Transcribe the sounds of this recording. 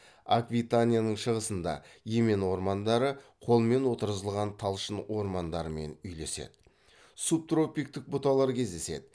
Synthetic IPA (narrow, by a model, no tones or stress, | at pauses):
a̰kvʲit̪anʲijanəɴʃəʁəsənd̪ɑ̰je̞me̞nwo̞ɾmɑnd̪ɑɾəqʰo̞lˠəme̞nwo̞t̪əɾəzəlˠʁɑnt̪ʰɑlˠʃənwo̞ɾmɑnd̪ɑɾəme̞nʏjle̞se̞̰d̪̥ɪ | sup̚t̪ro̞pijk̚t̪ɪk̚bʊt̪ɑlˠɑɾkʲʰe̞zd̪e̞se̞̰d̪ɪ